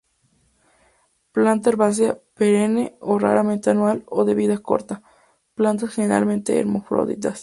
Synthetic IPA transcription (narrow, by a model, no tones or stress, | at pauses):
plant̪aeɾβas̬japeɾeneora̰ɾament̪eanwaloðeβiðaesko̞̰ɾt̪a | plant̪asxeneɾa̰lment̪ḛːɾmofɾo̰ðḭt̪as